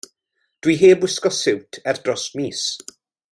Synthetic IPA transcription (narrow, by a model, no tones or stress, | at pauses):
d̥wiɦeːbwɪskɔsɪwtʰɛrdrɔsmiːs